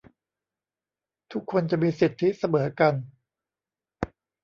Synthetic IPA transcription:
t̪ʰu˦˥kʰːo˧nt͡ɕa˨˩miː˧si˨˩t̪ʰːi˦˥sa˧mɤː˩˦ka˧n

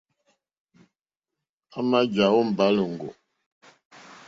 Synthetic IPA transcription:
a˦ma˦d͡ʒa˨wo˦m̩˨ba˨˦lə˨ŋ̩˨ɡo̰˨

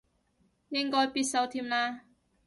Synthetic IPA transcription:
jɪ˥ŋkɔː˥jpiː˧t̚sɐ˨˧wt̪ʰiː˧mlaː˧

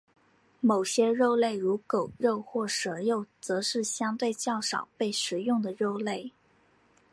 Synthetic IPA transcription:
mo˨˩ʊɕjɛ˥ɻo˥˧ʊle˥˩ɪɻu˧˥ko˨˩ʊɻo˥˧ʊxwɔ˥˩ʂɤ˧˥jo˥˩ʊt͡sɤ˧˥ʂɻ̩˥˩ɕjɑ˥ŋt̪we˥˧ɪt͡ɕjɑ˥˩ʊʂɑ̰˨˩ʊpe˥˩ɪʂɻ̩˨˧˩jʊ˥˩ŋd̪ə˩ɻo˥˧ʊle˥˩ɪ

